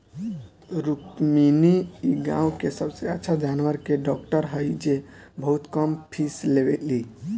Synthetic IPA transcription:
ɾukminiiɡã̰ũkesəbseətːʃʰad͡ʒanʋəɾkeɖɔk̚ʈəɾɦəjd͡ʒebʱəɦut̪kəmpʰislebet̪li

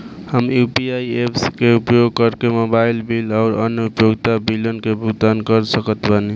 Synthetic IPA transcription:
həmjupiaiepskeupjoɡ̚kəɾkemobailbilaʊɾənupjoɡt̪abilənkebʱut̪ankəɾsəkət̪bəni

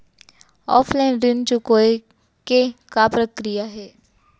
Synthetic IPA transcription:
ɔ̰ːpʰlaɪnɾɪnt͡ʃukoːe | kekapɾəkɾijaɦɛː

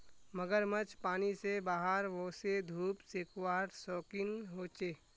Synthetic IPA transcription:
məɡəɾmət͡ʃpaːnisebaːɦəɾʋosed̪ʱuːpsekwaːɾsɔːkɪnɦoːt͡ʃeː

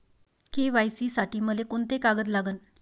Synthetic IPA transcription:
keʋajsiːsaʈiːməekoɳt̪ekaɡəd̪laɡən

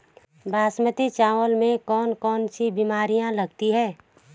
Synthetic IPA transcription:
bʱaːsmət̪it͡ʃaːwəlmẽkɔːnkɔːnsibimaːɾijãləɡ̚t̪iɦɛː

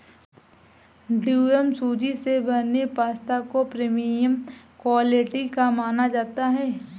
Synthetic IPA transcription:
ɖuːjəmsuːd͡ʒisebɐnepaːst̪akopɾeːmijəm | kwaːleʈikamaːnad͡ʒaːt̪aɦɛː

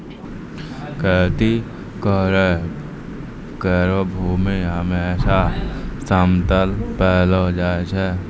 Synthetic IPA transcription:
kət̪i | kəɾ | kəːɾobʱuːmeɦəmeːʃasəmt̪əlpɛːld͡ʒaːet͡ʃɛː

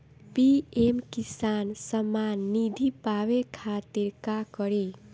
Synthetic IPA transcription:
piemkisansəmanːid̪ʱipawekʰat̪iɾkakʌɾi

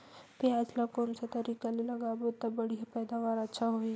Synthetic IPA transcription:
pejaːd͡ʒlakonsat̪ɐɾikalelɐɡabot̪ɐbəɽijapɛːd̪aʋaɾətːʃʰaɦoi

